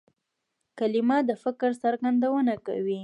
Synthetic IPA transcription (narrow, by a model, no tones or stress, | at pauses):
kalɪmɑd̪əfɪkɾsaɾɡand̪awənaka̰wi